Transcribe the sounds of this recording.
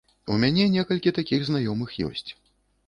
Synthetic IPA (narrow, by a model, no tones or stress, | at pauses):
umʲanʲɛnʲɛkɐlʲkʲit̪akʲiɣznajɔmɨxjɔ̰sʲt͡sʲ